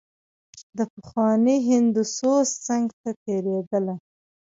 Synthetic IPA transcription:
d̪əpəxwɑneɦɪnd̪usost͡saŋɡt̪at̪eɾed̪əla

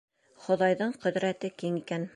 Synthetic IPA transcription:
χŏðɑjðɤɴqɵ̆ðɾæt̪ɘkiŋikæn

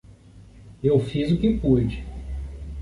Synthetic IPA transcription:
ewfizʊkɪpud͡ʒɪ

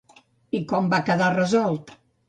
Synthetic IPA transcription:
ikɔmbakəðarəzɔlˠt̪

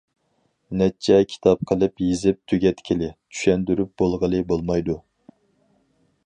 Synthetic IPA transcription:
nɛt͡ʃʰːɛkʲʰi̥t̪ʰɑp̚qʰəlˠɨpjizɪp̚t̪ʰyɡʲɛt̪kʲʰilɪt͡ʃʰy̥ʃɛnd̪yɾyp̚b̥olˠʁəlˠɨbolˠmɑjd̪u

